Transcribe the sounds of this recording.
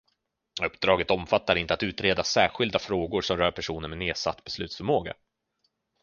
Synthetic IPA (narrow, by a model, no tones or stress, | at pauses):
ɵpːd̪ɾɑːɡət̪ɔmfat̪ːaɾɪnt̪əat̪ʉ̟ːt̪ɾeːd̪asæːɾɧɪld̪afɾoːɡʊɾʂɔmɾœːɾpʰæʂuːnəɾmɛneːsa̰t̪ːbɛslʉ̟ːt̪sfœɾmoːɡa̰